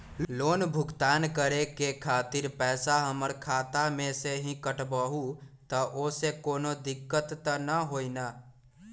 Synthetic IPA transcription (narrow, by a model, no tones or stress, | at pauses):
loːnbʱʊɡt̪aːnkəɾekekʰaːt̪ɪɾpɛːsaɦəməɾkʰaːt̪amẽseɦĩkəʈbəɦut̪əʔoːsekoːnod̪ɪkːət̪ːənəɦoːinaː